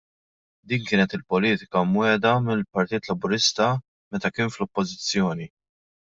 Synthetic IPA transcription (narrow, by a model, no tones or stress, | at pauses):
d̪iːnkɪːnɛt̪ɪlpɔliːt̪ɪ̥kɐmwɛːd̪ɐmɪlpɐɾt̪iːt̪lɐbʊɾɪst̪ɐ | mɛt̪ɐkɪːnflɔpːɔzɪt͡sːjɔːni